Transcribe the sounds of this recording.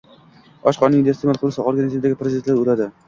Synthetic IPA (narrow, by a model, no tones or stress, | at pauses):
ɒʃqɒnɪŋd̪est̪imalˠqʰʊɾɪsɪoɾɡanɪzimd̪aɡʲɪpʰɾezɪd̪ent̪laɾolad̪ɪ